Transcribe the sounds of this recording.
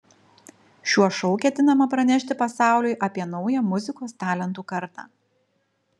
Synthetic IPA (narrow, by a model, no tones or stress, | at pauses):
ʃʲuɔʃɔʊkʲɛt̪ʲɪnɐmɐpɾɐnʲɛʃʲt̪ʲɪpɐsɑˑʊlʲʊɪʔɐpʲiɛnɔʊjɛmʊzʲɪkoːst̪ɑːlʲɛnt̪uːkɐɾt̪ɑ̰ː